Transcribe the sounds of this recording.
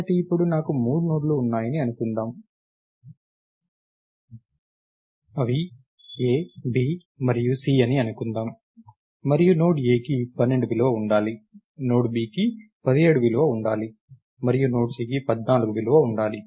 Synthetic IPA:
ɐʈiipːuɽunaːkumuːɽunoːʈloːunːaːjɐniɐnukund̪aːm | ɐʋi | eːbiː | mɐɾijusiːɐniɐnukund̪aːm | mɐɾijuno̞ːʈeːkipɐnːe̞ɳɖubilɐʋɐuɳɖaːli | no̞ːʈbiːki | pɐd̪ieːɽubiluʋɐuɳɖaːli | mɐɾijuno̞ːʈsiːk̬ipɐd̪naːluɡubiluʋɐuɳɖaːli

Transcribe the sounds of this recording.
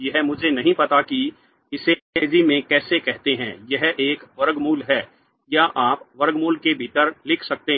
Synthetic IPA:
jɐɦmʊd͡ʒʱenɐɦĩpɐt̪aki | ɪseeːd͡ʒimẽkɛːsekɛɦt̪eɦɛ̰̃ːjɐɦeːkʋɐɾɡmuːlɦɛː | jaʔaːpʋɐɾɡmuːlkebʱɪːʈəɾlɪkʰsɐk̚t̪e

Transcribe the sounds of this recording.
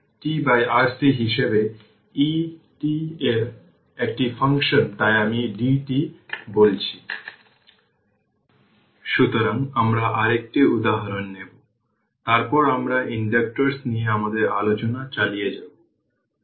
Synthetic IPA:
ʈibajaɾsiɦiʃebe | i | ʈieɾ | ek̚ʈifaŋkʃont̪ajamiɖiʈibolt͡ɕʰi | ʃut̪oɾaŋamɾaʔaɾek̚ʈiud̪aɦaɾonːebo | t̪aɾpɔɾamɾaʔiɳɖek̚ʈoɾsnijeamad̪eɾalot͡ɕonat͡ɕalijed͡ʑabo

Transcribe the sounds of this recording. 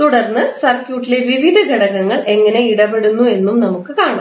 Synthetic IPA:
t̪uɽɐrnːɨsɐrkjuːʈːile̞ʋiʋid̪ʱɐɡʱɐɽɐɣɐŋːɐɭʔeŋːɐne̞iɽɐbeɽunːue̞nːumnɐmukːɨkaːɳɐ

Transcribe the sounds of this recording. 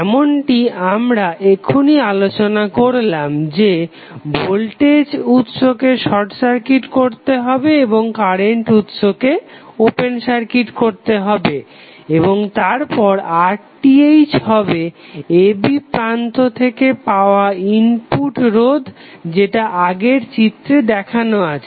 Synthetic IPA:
ɛmonʈiamɾaʔekʰonialot͡ɕonakoɾlamd͡ʑe | bolʈed͡ʑut̪ʃokeʃɔʈsaɾkiʈkoɾt̪eɦɔbeeboŋkaɾeɳʈut̪ʃokeopensaɾkiʈkoɾt̪eɦɔbe | eboŋt̪aɾpɔɾaɾ | ʈiejd͡ʑɦɔbeebipɾant̪ot̪ʰekepaoaimpuʈɾod̪ʱ | d͡ʑeʈaʔaɡeɾt͡ɕit̪ɾed̪ɛkʰanoat͡ɕʰe

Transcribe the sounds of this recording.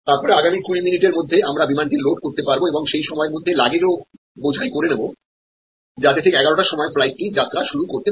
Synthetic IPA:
t̪aɾpɔɾeaɡamikuiminiʈeɾmod̪ʱːeamɾabimant̪iloʈ̚koɾt̪epaɾboebɔŋʃejʃɔmɔeɾmod̪ʱːelaɡed͡ʑo | bod͡ʑʱajkoɾenebo | d͡ʑat̪et̪ʰekeɛɡaɾoʈaʃɔmɔeflajʈ̚ːid͡ʑat̪ːɾaʃuɾukoɾt̪e

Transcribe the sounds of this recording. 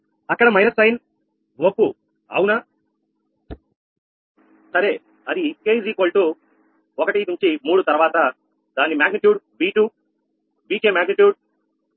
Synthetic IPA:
ɐkːɐɽɐmɐjnɐsɐjn | ʋopːu | ɐ̰wuna | sɐɾeː | ɐd̪ikeːd͡ʒiːkoːlʈu | ɔkɐʈinuɲt͡ʃimuːɽut̪ɐɾʋaːt̪ɐ | d̪̥aːnimaːɡniʈjuːɖ | ʋiːʈuː | ʋiːkeːmaːɡniʈjuːɖ̚

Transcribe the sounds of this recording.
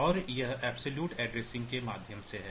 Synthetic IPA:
ɔːɾjɐɦɛːbsoljuːʈɛːɖɾeːsɪ̃ŋɡkemaːd̪ʱjəmseɦɛː

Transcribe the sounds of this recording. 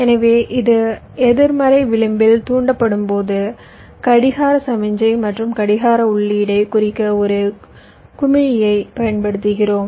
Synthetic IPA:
ɛnɐʋeːʔɪðɯ | ɛðɯɾmɐɾɐɪʋɪɭɯmbɪlt̪uːɳɖɐpːɐɽɯmpoːðɯ | kɐɽɪɣaːɾɐsɐmɪɲd͡ʒɐɪmɐʈrɯmkɐɽɪɣaːɾɐʊɭːɪɪɽɐɪkʊrɪkːɐɔɾɯ | kʊmɪɻɪjɐɪpɐjɐnpɐɽɯt̪ːɯɣɪroːm

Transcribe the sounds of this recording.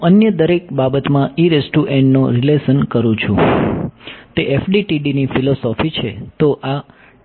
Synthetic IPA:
ɦũənjəd̪əɾek̚babət̪mãiɾesʈuʔɛ̃ɳɖnoɾileʃənkəɾũt͡ʃʰṵ̃ | t̪eʔefɖiʈiɖinifilosɔfit͡ʃʰet̪oʔa

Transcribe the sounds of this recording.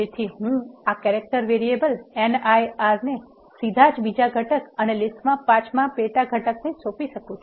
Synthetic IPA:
d͡ʒet̪ʰiɦũakɛɾek̚ʈəɾʋeɾiebəlenajaɾne | sid̪ʱad͡ʒbid͡ʒaɡʱəʈəkənelɪsʈmãpãt͡ʃmãpeʈaɡʱəʈəknesopiʃəkũt͡ʃʰu̥

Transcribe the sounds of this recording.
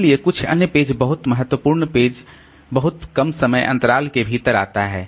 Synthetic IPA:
liekʊt͡ʃʰɐ̰njəpeːd͡ʒbɐɦʊt̪mɐɦət̪wəpuːɾɳpeːd͡ʒ | bɐɦʊt̪kɐmsɐməjʔɐ̰̃nt̪əɾaːlkebʱit̪əɾa̰ːt̪aɦɛː

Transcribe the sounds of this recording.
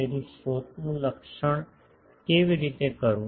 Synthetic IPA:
eːɾisoːt̪nũləkʃəɳ̃ | keːʋɪɾiːt̪ekəɾũː

